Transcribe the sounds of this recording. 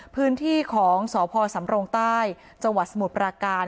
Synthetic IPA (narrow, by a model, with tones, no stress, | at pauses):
pʰɯː˦˥nt̪ʰiː˥˩kʰɔː˩˦ŋsɔː˩˦pʰɔː˧sa˩˦mɾoː˧ŋt̪aː˥˩j | t͡ɕa˧ŋwa˨˩t̪̚sa˧mu˨˩t̪̚pɾaː˧kaː˧n